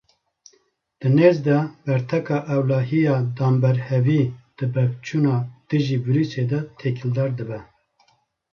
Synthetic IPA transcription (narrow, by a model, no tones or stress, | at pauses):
d̪̥ɨneːzd̪ɛbɛɾt̪ʰɛkɑːʔɛwlɑːɦijɑːd̪ɑːmbɛɾhɛviːd̪̥ɨbɛvt͡ʃʰuːnɑːd̪̥ɨʒiːvɨɾuːsed̪ɛt̪ʰeːkʰild̪ɑːɾd̪ɨbɛ